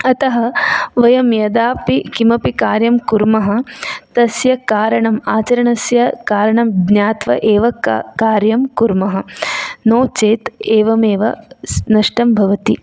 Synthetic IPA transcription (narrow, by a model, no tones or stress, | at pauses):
ɐt̪ɐɦɐ̆ʋɐjɐmjɐd̪aːpikimɐpikaːɾjɐmkuɾmɐɦɐ̆t̪ɐsjɐkaːɾɐɳɐmaːt͡ʃɐɾɐɳɐsjɐkaːɾɐɳɐmɡnjaːt̪ʋɐ̰ʔeːʋɐkaːɾjɐmkuɾmɐɦɐ̆noːt͡ʃeːt̪eːʋɐmeːʋɐ̰nɐʂʈɐmbʱɐʋɐt̪i